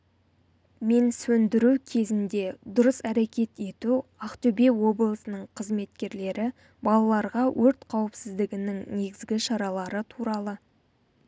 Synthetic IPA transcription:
me̞nsɵnd̪ɪɾukʲʰe̞zɪnd̪e̞d̪ʊɾəsæɾe̞kʲe̞t̪e̞t̪uɑqt̪ɵbe̞wo̞blˠəsənəɴqʰəzme̞t̪kʲe̞ɾle̞ɾɪ | bɑlˠɑlˠɑɾʁɑwʔɵɾt̪qʰɑwəpsɪzd̪ɪɡʲɪnɪŋne̞ɡʲɪzɡʲɪʃɑɾɑlˠɑɾət̪ʰuɾɑlˠə

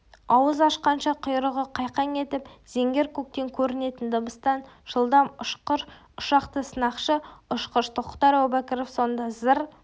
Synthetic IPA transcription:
ɑwəzɑʃqɑnʃɑqʰʊjɾəʁəqʰɑjqɑŋe̞t̪ɪpz̥e̞ŋɡʲe̞ɾkʰuk̚t̪e̞ŋkʲʰɵɾɪne̞t̪ɪnd̪əbəst̪ɑnʒ̥əlˠd̪ɑmʊʃqəɾ | ʊʃɑqt̪əsənɑqʃəʊʃqəʃt̪ʰəqqt̪ɑɾawbækʲɪɾofso̞nd̪ɑzəɾ

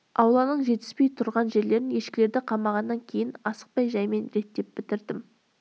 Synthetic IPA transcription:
ɑwlˠɑnəɴʒe̞t̪ɪspe̞jt̪ʰʊɾʁɑnʒe̞ɾle̞ɾɪnje̞ʃkʲɪle̞ɾd̪ɪqʰɑmɑʁɑnːɑŋkʲʰe̞jɪnɑsə̥q̚pɑjʒɑjme̞nɾe̞t̪ːe̞p̚bɪt̪ɪɾd̪ɪm

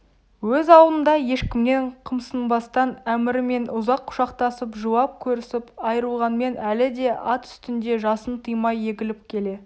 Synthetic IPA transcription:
wɵzɑwlˠənd̪ɑje̞ʃkʲɪmne̞ɴqʰəmsənbɑst̪ɑnæmɪɾɪme̞nʔʊzɑqʰːʊ̥ʃɑqt̪ɑsəpʒuwɑp̚kʲʰɵɾɪsɪpɑjəɾəlˠʁɑnme̞nælɪd̪e̞ɑt̪ʏ̥st̪ɪnd̪e̞ʒɑsənt̪ʰijmɑjːe̞ɡʲɪlɪp̚kʲʰe̞le̞

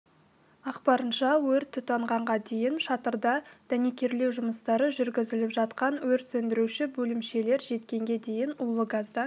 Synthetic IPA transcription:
ɑqpɑɾənʃɑwɵɾt̪ʰːʏt̪ɑɴʁɑɴʁɑd̪e̞jɪnʃɑt̪əɾd̪ɑd̪̥ænekʲe̞ɾle̞wʒʊməst̪ɑɾəʒʏɾɡʲɪzɪlɪpʒɑt̪qɑnwɵɾt̪sɵnd̪ɪɾuʃɪbɵlɪmʃe̞le̞ɾʒe̞t̪kʲe̞ŋɡʲe̞d̪e̞jɪnʊlˠəɡazd̪ɑ

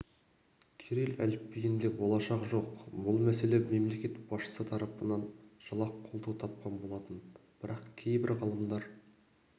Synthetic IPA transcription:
kʲʰeɾelælɪpːejɪnd̪e̞bo̞lˠɑʃɑqʒo̞qbʊlˠmæse̞le̞me̞mle̞kʲe̞t̪bɑsʃə̥sət̪ʰɑɾɑpənɑnʒ̥ɑlˠɑqʰːolˠt̪ʰut̪ʰɑp̚qɑnbo̞lˠɑt̪ənb̥ɪɾɑqkʲʰe̞jbɪɾʁɑlˠəmd̪ɑɾ

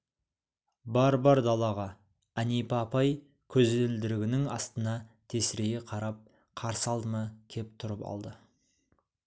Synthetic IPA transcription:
bɑɾbɑɾd̪ɑlˠɑʁɑ | ænijpɑpɑj | kʲʰɵzeɪld̪ɪɾɪɡʲɪnɪŋɑ̰st̪ənɑt̪ʰe̞sɪɾe̞ɡʲeqʰɑɾɑp̚ | qʰɑɾsəɑlˠd̪əmɑkʲʰe̞p̚t̪ʰʊɾəpɑ̰lˠd̪ə

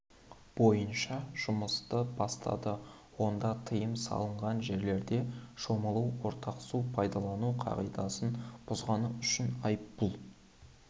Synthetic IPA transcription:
b̥o̞jənʃɑʒ̥ʊməst̪əbɑst̪ɑ̰d̪ə | wo̞nd̪ɑt̪ʰəjəmsɑ̰lˠəɴʁɑnʒe̞ɾle̞ɾd̪e̞ʃoməlˠuwwo̞ɾt̪ʰɑqsupʰɑjd̪ɑlˠɑnuqʰɑ̰ʁijd̪ɑsənb̥ʊzʁɑnəʏʃɪnɑjpbʊlˠ

